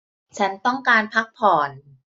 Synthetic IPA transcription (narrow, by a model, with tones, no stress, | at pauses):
t͡ɕʰa˦˥nt̪ɔ˥˩ŋkaː˧npʰa˦˥k̚pʰɔː˨˩n